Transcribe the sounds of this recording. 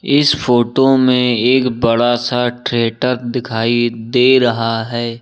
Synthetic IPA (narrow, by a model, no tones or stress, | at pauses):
ɪsfoːʈomẽeːkbɐɽasaʈɾeːʈəɾd̪ɪkʰaːid̪eːɾɐɦaɦɛː